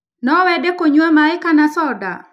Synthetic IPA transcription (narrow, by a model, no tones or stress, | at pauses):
nɔwɛdɛkoɲwamaɛkanasɔda̰